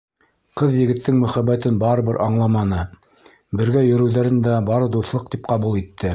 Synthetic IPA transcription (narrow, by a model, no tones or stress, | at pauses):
qɤðjɘ̆ɡɘ̆t̪ːɘŋmɵ̆χæβːæt̪ɘnbɑɾɤ̆βɘɾʔɑɴlˠɑmɑnɤ | bɘ̆ɾɡæjɵ̆ɾɘ̆wðæɾɘnd̪æbɑɾɤd̪uθlˠɤq̚t̪ip̚qɑβulˠit̪ʰːɘ